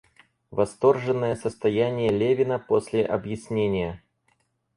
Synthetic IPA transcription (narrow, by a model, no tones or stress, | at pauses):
vɐst̪o̞rʐɨnːəjəsəst̪ɐjænʲɪjəlʲevʲɪnəpo̞sʲlʲɪʔɐbjɪsʲnʲenʲɪjə